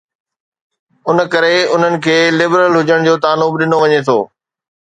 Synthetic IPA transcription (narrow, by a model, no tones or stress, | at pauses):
ʊnəkɐɾeʊn̤ənɪ̆kʰeːlɪbɾəlɦʊd͡ʑəɽ̃d͡ʑoːt̪aːnʊːbɗɪnoʋɐɲet̪ʰo̰ː